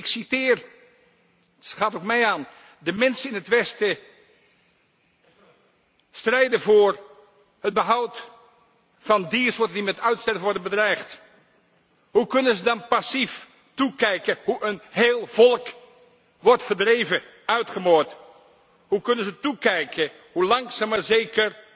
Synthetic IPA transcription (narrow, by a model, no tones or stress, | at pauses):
ɪksitɪːr | χaːtowk̚mɛjaːn | dəmɛnsənɪnɦətʋɛstə | strɛjdənvʊːɹ | ɦəd̚bəɦʌwt | fɑndisʊːtəndimɛtœɥtstɛɹvənʋɔɹdənbədrɛjχt | ɦukɵnəzədɑnpɑsif | tukɛjkəɦuʔənɦeːlˠvɔlˠk | ʋɔɹtfəɹdrejvə | œɥtχəmoːt | hukɵnənzətukɛjkə | hulɑŋksaːməɹzejkər